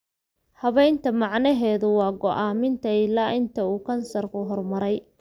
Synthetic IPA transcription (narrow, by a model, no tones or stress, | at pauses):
hɐβɛjnt̪ʰɐmɑʕnɐɦɛːðʊwɑːɡɔʔaːmɪnt̪ʰɐɪlaːʔɪnt̪ʰɐuːkʰɐnsɐrkʰʊɦɔrmɐɾɛj